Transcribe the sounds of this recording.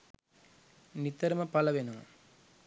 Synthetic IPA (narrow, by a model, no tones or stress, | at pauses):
nɪt̪ːɐɾɯmɐpɐlɐʋeːnɯm